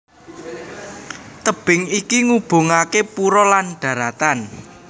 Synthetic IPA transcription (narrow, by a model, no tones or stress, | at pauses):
t̪əb̥ɪ̤ŋikiŋub̥o̤ŋakepuɾɔlanɖ̥ä̤ɾat̪an